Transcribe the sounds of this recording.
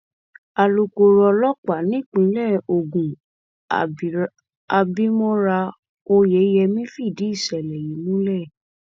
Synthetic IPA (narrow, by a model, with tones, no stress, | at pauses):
a˧lo˧ko˧ɾɔ˧lɔ˦k͡pa˨nĩ˨˦˨k͡pĩ˧˦lɛ˦˨o˧˨ɡũ˨ | a˧bi˦mɔ̃˦ɾa˧ | o˧jɛ˨˦jɛ˧mĩ˦fi˦˨di˨˦i˦˨ʃɛ˨lɛ˨ji˨˦nũ˦lɛ˦˨